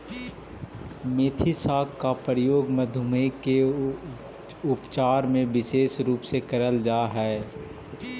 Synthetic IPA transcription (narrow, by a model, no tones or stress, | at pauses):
meːt̪ʰisaːkkːapɾɪjoːɡməd̪ʱʊməike | ʊpt͡ʃaːɾmẽʋɪʃeːʃɾuːpsekɐɾəld͡ʒaːɦɛː